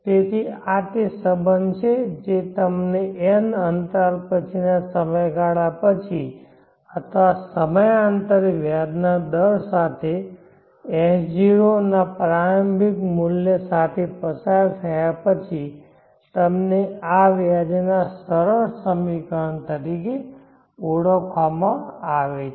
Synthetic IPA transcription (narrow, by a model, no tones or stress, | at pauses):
t̪et̪ʰiat̪esəbənt͡ʃʰed͡ʒet̪əmneʔɛnənt̪aɾpət͡ʃʰinasəməjɡʱaɭapət͡ʃʰi | ət̪ʰəʋasəməjant̪əɾʋjad̪nad̪əɾsat̪ʰe | ɛɦd͡ʒiɾonapɾaɾəmbʱikmuljəsat̪ʰepəsaɾt̪ʰəjapət͡ʃʰi | t̪əmneaʋjad͡ʒenasəɾəɾsəmʋikaɳt̪əɾike | uɽəkʰʋamãaʋe